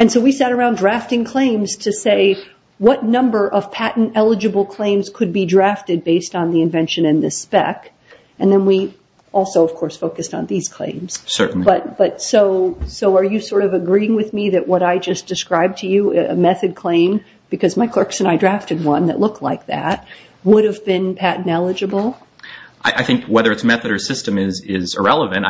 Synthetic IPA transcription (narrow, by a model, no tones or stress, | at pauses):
ɨ̃nsoʊwisæɾə˞ãʊ̃ndɹæftɪ̃ŋkʰl̥ẽɪ̃mz̥tʰɨseɪ | wʌtⁿnʌ̃mbə˞ʔʌv̥pʰæʔn̩tɛlˠəd͡ʒɨbl̩ˠkʰl̥ẽɪ̃mz̥kʰɨd̚bidɹæftɨd̚beɪstn̩ðiɨ̃ɱvɛ̃nʃɨ̃nɨ̃nðɪspɛ̰k | ɨ̃nðɨ̃nwi | ʔɔlˠsoʊʌv̥kʰɔɹsfoʊkɨstn̩ðiz̥kʰl̥ḛ̃ɪ̃mz̥sɜ̰˞n̩b̥ʌt̚b̥ʌtsoʊsoʊə˞jɨsɔɹɾʌvɨɡɹiɪ̃ŋwɨðmiðɨʔ̚wʔʌɾaɪd͡ʒʌsd̥ɨskɹaɪb̚tʰɨjʉɨ̰mɛθɨd̚kʰl̥ẽɪ̃m | b̥ɨkʰʌzmaɪkʰl̥ɜ˞ksɨ̃ñaɪdɹæftɨd̚wʌ̃nðɨ̰ʔˡlʊk̚tʰˡlaɪk̚ðæ̰t̚ | wʊɾɨvbɪ̃npʰæʔnɛlˠɨd͡ʒɨbl̩ˠ | ʔaɪʔaɪθɪ̃ŋkʰwɛðə˞ɨtsmɛθɨɾə˞sɪstɨ̃mɪzɪzə˞ɛlˠəvɨ̃nt